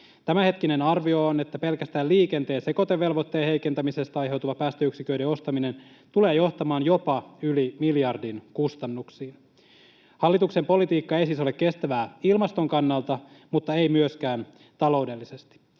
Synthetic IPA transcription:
t̪æmæhe̞t̪k̟ine̞nɑrʋio̞one̞t̪ːæpe̞lkæst̪æːliːke̞nt̪e̞ːseko̞t̪eʋːe̞lʋo̞t̪ːe̞ːhe̞jke̞nt̪æmise̞st̪ɑɑjɦe̞wt̪uʋɑpæːst̪øyksikøydeo̞st̪ɑmine̞n | t̪ule̞ːjo̞ht̪ɑmɑːnjo̞pɑylimiljɑrdinkust̪ɑnːuksiːn | hɑlːit̪uksempo̞lit̪iːkːɑe̞jsiːso̞lekkːe̞st̪æʋæːilmɑst̪o̞ŋkɑnːɑlt̪ɑmut̪ːɑe̞jmyøsk̟æːn | t̪ɑlo̞wde̞lːisest̪i̥

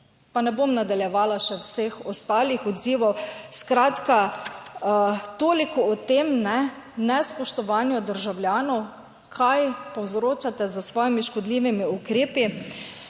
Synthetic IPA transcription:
panɛbomnad̪aljɛʋaːlaʃɛwsexɔst̪aːlixɔd̪ziːʋɔwskɾaːt̪ka | t̪oːlikɔɔt̪emnɛ | nɛspɔʃt̪ɔʋaːnjɔd̪əɾʒawljaːnɔw | kʰajpɔwzɾoːt͡ʃat̪ɛzasʋɔːjimiʃkɔd̪liʋimiukɾeːpi

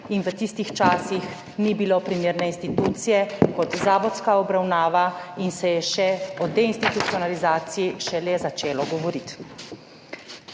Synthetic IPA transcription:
inʋət̪ist̪ixt͡ʃaːsix | nibilopɾimeːɾnɛinst̪it̪uːt̪sijɛkɔt̪zaːʋɔt̪skaɔbɾawnaːʋainsɛjɛʃɛɔd̪ɛinst̪it̪ut̪siɔnalizaːt̪sijiʃɛlɛzat͡ʃeːlɔɡɔʋɔɾit̪

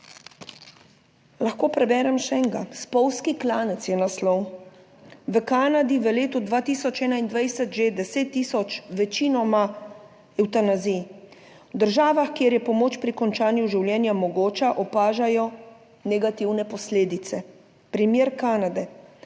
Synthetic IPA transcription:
laxkoːpɾɛbɛːɾɛmʃɛŋɡa̰spɔwskiklaːnɛt̪sjɛnaslɔw | ʋəkaːnad̪iʋəleːt̪ud̪ʋaːt̪iːsɔt͡ʃɛːnaind̪ʋajsɛt̪ʒed̪ɛseːt̪ːiːsɔt͡ʃʋɛt͡ʃiːnɔma | ɛwt̪anazi | wd̪əɾʒaːʋaxkjeɾjɛpɔmoːt͡ʃpɾikɔnt͡ʃaːnjuʒiwljɛːnjamɔɡoːt͡ʃaʔɔpaːʒajɔ | nɛɡat̪iwnɛpɔsleːd̪it̪sɛ | pɾimjeːɾkaːnad̪ɛ

